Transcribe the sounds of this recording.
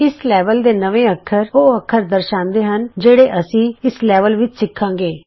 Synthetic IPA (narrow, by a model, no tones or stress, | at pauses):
ɪslɛːʋəld̪eːnəʋẽːəkʰːəɾoːəkʰːəɾd̪əɾʃãːnd̪eːɦənd͡ʒeːɽeːʔəsĩːɪslɛːʋəlʋɪt͡ʃsɪkʰːãːŋɡeː